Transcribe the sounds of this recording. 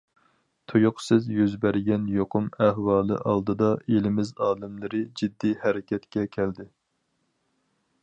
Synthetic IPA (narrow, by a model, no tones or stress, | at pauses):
t̪ʰujuqsɨzjyzbæɾɡʲɛnjoqʰʊmæhwɑːlˠɨ̰ʔɑlˠd̪ɨd̪ɑelɪmɪzɑːlɨmlˠɨɾɨd͡ʒid̪ːihæɾɪkʲɛt̪kʲɛkʲʰɛld̪ɪ